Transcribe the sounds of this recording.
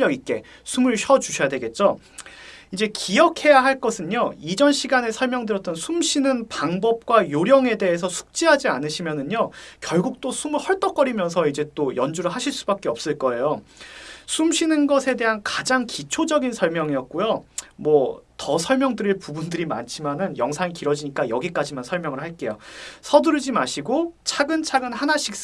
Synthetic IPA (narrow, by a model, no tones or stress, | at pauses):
ʌɡik͈e̞̰ | sʰumɯɭɕʰʌt͡ɕuɕʰʌjadwe̞ɡe̞t̚t͡ɕ͈o | id͡ʑe̞kijʌkʰe̞jaɦaɭk͈ʌsʰɯɲoid͡ʑʌnɕʰiɡanesʰʌɭmjʌŋdɯɾjʌt͈̚ʌnsʰumɕʰinɯnpaŋbʌp̚k͈wajoɾjʌŋe̞de̞ɦes̬ʰʌsʰu̥k̚t͡ɕ͈iɦad͡ʑianɯɕʰimjʌnɯɲokjʌɭɡuk̚t͈osʰumɯɭhʌɭt͈ʌk͈ʌɾimjʌns̬ʰʌid͡ʑe̞t͈ojʌnd͡ʑuɾɯɭɦaɕʰiɭs͈ubak͈eʌp̚s͈ɯɭk͈ʌe̞jo | sʰumɕʰinɯnɡʌsʰe̞de̞ɦankad͡ʑaŋkit͡ɕʰod͡ʑʌɡinsʰʌɭmjʌŋiʌt̚k͈ojomwʌtʌsʰʌɭmjʌŋdɯɾiɭpubundɯɾima̰nt͡ɕʰimanɯnjʌŋsʰaŋikiɾʌd͡ʑiɲik͈ajʌɡik͈ad͡ʑimansʰʌɭmjʌŋɯɭɦaɭk͈e̞josʰʌdɯɾɯd͡ʑimaɕʰiɡot͡ɕʰaɡɯnt͡ɕʰaɡɯnɦanaɕʰik̚